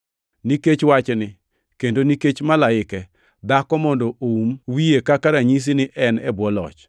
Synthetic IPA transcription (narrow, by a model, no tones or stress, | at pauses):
niket͡ʃwat͡ʃnɪ | kendoniket͡ʃmalaɪkɛ | d̪akɔmɔndɔʔoumwiekakaɾaɲis̬inɪʔɛnɛbwɔlɔ̰t͡ʃ